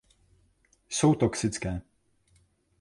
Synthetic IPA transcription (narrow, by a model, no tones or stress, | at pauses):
sowt̪ɔksɪt̪t͡skɛː